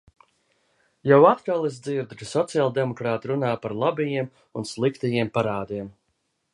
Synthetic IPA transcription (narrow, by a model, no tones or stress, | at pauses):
jawat̪kalˠizd̪ziɾd̪kasɔt̪sijalˠd̪ɛmɔkɾaːt̪ɾunaːpaɾlˠabɛjiɛm | unslˠikt̪ɛjiɛmpaɾaːd̪iɛm